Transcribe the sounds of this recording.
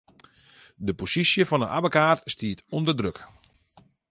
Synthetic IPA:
dəposisjəfɔnənʔa̰bəkaːtstiətondərdrøk

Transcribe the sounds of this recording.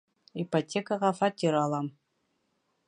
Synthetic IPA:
ipotʲekaʁɑfɑtʲiɾɑlˠɑm

